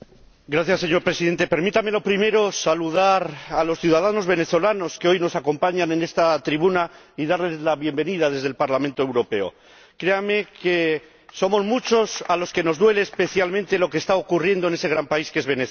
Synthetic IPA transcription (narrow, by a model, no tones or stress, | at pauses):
ɡɾaθjasːe̞ɲo̞ɾpɾe̞siðe̞nt̪e̞pe̞ɾmit̪ame̞lo̞pɾime̞ɾo̞saluðaɾalo̞sθjuðað̞ano̞zβe̞ne̞θo̞lano̞skeo̞jno̞sako̞mpaɲane̞ne̞st̪at̪ɾiβuna | iðaɾle̞zlaβje̞mbe̞nið̞aðe̞zðe̞lpaɾlamẽnt̪o̞e̞wɾo̞pe̞o̞̰ | kɾe̞ame̞ke̞ | so̞mo̞zmut͡ʃo̞salo̞ske̞no̞zd̪we̞le̞ːspe̞θjalmẽnt̪e̞lo̞ke̞ːst̪ao̞kurje̞nd̪one̞se̞ɣ̞ɾampaiskee̞zβene